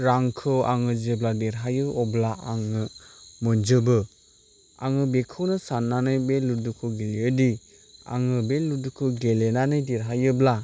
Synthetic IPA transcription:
ɾaŋkʰɯaŋɯd͡ʒɯbladeɾɦajɯɔblaaŋɯmɯnd͡ʒɯbɯ | a̰ŋɯbekʰɯwnɯsanːanɯjbeludukʰɯɡeliɯdi | a̰ŋɯbeludukʰɯɡelenanɯjdeɾɦajɯbla

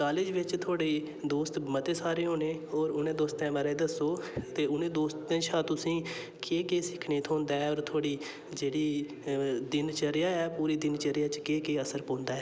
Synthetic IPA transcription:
kaːlɪd͡ʒʋɪt͡ʃt̪ʰaːɽiː | d̪oːst̪mət̪eːsaːɾeːɦõːnẽːɔːɾʊnẽːd̪oːst̪ɛ̃ːməɾẽːd̪əsoːt̪eːʊnẽːd̪oːst̪ẽːt͡ʃʰãːt̪ʊsĩː | keːkeːsɪkʰneːt̪ʰõːnd̪aːɛɔːɾt̪ʰoːɽiː | d͡ʒeːɽiː | d̪ɪnt͡ʃəɾjaːɛːpuːɾiːd̪ɪnt͡ʃəɾɪjãːt͡ʃkeːkeːəsəɾpõːnd̪aːɛː

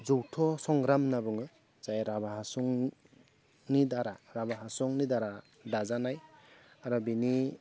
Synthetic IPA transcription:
zuwtʰɔsɔŋɡɾamnabɯŋɯ | zajɾabaɦasɔŋ | nidaɾaɾabaɦasɔŋnidaɾa | dazanajaɾɔbini

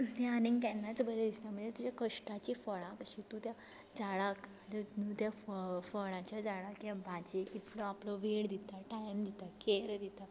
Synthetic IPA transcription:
t̪aanĩŋɡkɛnːat͡sbəɾed̪ist̪am̤ə̃ɳd͡zet̪ud͡ʑakəʂʈat͡ɕifəɭãkəɕit̪ut̪ja | d͡zaɭak | t̪eũt̪jaffəɭ̃ãt͡ɕjad͡zaɭakjãbʱad͡ʑekit̪lɔaplɔʋeɽd̪it̪aʈajmd̪it̪akeɾd̪it̪a

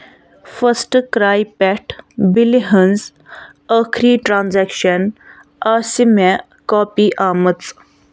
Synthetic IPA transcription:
fəsʈkɾaːjpɛʈbiliɦənz | aːkʰɾiːʈɾãːnzɛːkʃən | aːsimẽ | kɔːpiːʔaːmət͡s

